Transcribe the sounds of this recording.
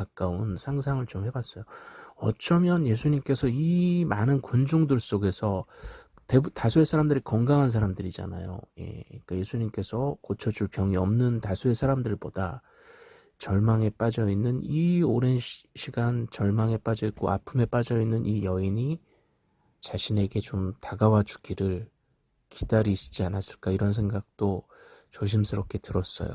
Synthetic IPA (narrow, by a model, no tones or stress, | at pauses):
ak͈aunsʰaŋs̬ʰaŋɯɭt͡ɕomhe̞bas͈ʌjoʌt͡ɕ͈ʰʌmjʌnje̞sʰuɲimk͈e̞sʰʌimanɯnkund͡ʑuŋduɭs͈oɡe̞sʰʌ | te̞btasʰuesʰaɾamdɯɾikʌŋɡaŋɦans̬ʰaɾamdɯɾid͡ʑa̰na̰jo̰je̞̰k͈aje̞sʰuɲimk͈e̞sʰʌkot͡ɕʰʌd͡ʑuɭpjʌŋiʌmnɯntasʰue̞sʰaɾamdɯɭpoda | t͡ɕʌɭmaŋe̞p͈ad͡ʑʌinːɯnioɾe̞nɕʰiɡant͡ɕʌɭmaŋe̞p͈ad͡ʑʌik͈oʔa̰pʰɯme̞p͈ad͡ʑʌinːɯnʔijʌiɲi | t͡ɕaɕʰine̞ɡe̞t͡ɕomtaɡawad͡ʑu̥ɡiɾɯɭ | kʰi̥daɾiɕʰi̥d͡ʑianas͈ɯɭk͈aiɾʌns̬ʰe̞ŋɡak̚t͈o | t͡ɕoɕ̬ʰimsʰɯɾʌp̚k͈ʰe̞tɯɾʌs͈ʌ̰jo̰